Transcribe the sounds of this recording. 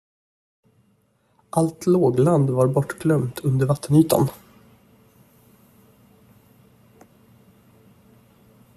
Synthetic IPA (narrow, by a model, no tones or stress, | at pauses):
ʔalt̪ʰloːɡland̪vaɾbɔʈːɡlœmt̪ʰɵnd̪əɾvat̪ʰːənyːt̪ʰa̰n